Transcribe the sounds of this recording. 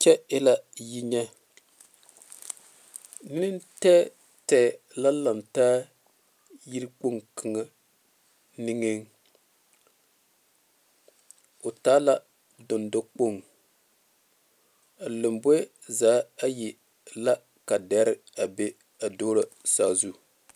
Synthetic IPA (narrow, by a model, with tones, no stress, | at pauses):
t͡ʃɛ˦ɪ˦la˦ji˦ɲɛ˦ | nɨ˦nɨ˦ntɛ˦ | tɛː˨ | la˦la˨mtaː˦ | ji˦ɾɨ˦k͡po˦ŋkʰɨ˨ŋa˦ | nɪ˦ŋe˦ŋ | o˨taː˦la˦ | do˨ndo˦k͡po˦˨ŋ | a˨lo˨mbo˦ | zaː˨˦a˦ji˨ | la˦ | ka˨dɛ˦ɾɪ˦ | a˨be˦ | a˨doː˦ɾa˨saː˨˦˨zu˦˨